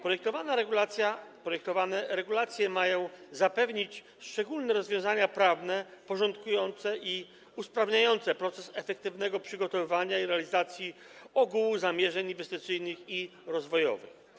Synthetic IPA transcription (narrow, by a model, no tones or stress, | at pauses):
pɾɔjɛk̚t̪ɔvanaɾɛɡulat̪ʲjapɾɔjɛk̚t̪ɔvanɛɾɛɡulat̪sʲjɛmajɔ̃w̃zapɛvɲit͡ɕ | ʂt͡ʂɛɡulnɛɾɔzvjɔ̃w̃zaɲapɾavnɛpɔʐɔnt̪kujɔnt̪sɛʔi | uspɾavɲajɔnt̪sɛpɾɔt̪sɛsɛfɛk̚t̪ɘvnɛɡɔpʂɘɡɔt̪ɔvɘvaɲaiɾɛalʲizat̪sʲji | ɔɡuwuzamʲjɛʐɛɲinvɛst̪ɘt̪sɘjnɘxiɾɔzvɔjɔ̰vɘ̰x